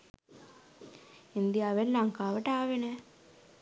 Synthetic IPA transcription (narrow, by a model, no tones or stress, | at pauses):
ind̪iaːʋellaŋkaːʋəʈəaːʋenɛ